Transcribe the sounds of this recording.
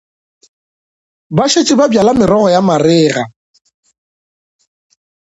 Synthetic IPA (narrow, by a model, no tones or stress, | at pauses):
baʃet͡ʃʼɪbabjalamɪɾɔɣɔjamarɪːɣa